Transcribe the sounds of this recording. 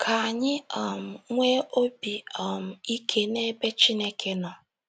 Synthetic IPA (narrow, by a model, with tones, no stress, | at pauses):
kʰa˨a˨ɲɪ˦ɔ˨m̩˨ŋʷe˦ʔo˦bi˨ɔ˨m̩˨i˦kʰe˦ne˦be˦t͡ʃi˦ne˦kʰe˦nɔ˨